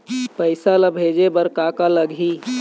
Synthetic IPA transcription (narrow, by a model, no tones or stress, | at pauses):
pəɪsaləbʱed͡ʒebəɾkakaləɡʱi